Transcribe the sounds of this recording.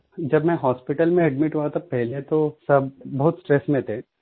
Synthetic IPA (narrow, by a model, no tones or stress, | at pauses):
d͡ʒɐbmɛ̃ɦɔːspɪʈəlmẽɐɖmɪʈɦuat̪ʰapɛɦlet̪osɐbbɐɦʊt̪sʈɾɛsmẽt̪ʰẽ